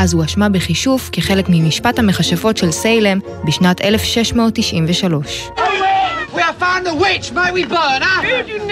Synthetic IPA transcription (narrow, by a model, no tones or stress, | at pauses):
ʔazuaʃmabeχiʃufkiχe̞lekmimiʃpathameχaʃafo̞tʃelsejlem | biʃnatʰelefʃeʃmo̞ːtːiʃʔimveʃalo̞ʃ | wiə̥fãʊ̃nðəwɪt͡ʃmaɪtwibɜːnə